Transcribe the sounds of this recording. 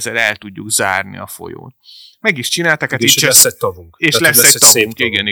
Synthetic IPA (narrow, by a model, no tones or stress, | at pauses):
zɛlɛlt̪uɟːuɡza̰ːrnḭɒfo̞̰jo̰ːt̪ | mɛɡiʃt͡ʃinaːlt̪akɛt̪it͡ʃsɛt̪ɒvuŋkeːʃlɛsːɛ̥t̪ɒvuŋkiɡɛni